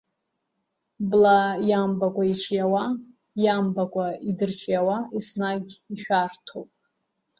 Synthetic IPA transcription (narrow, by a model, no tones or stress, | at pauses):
blajambakʷʼaiʈ͡ʂʷʰʼjawa | jambakʷʼaidɨrt͡ʃʼjawaisnaɡʲiħʷᶣartʰowpʼ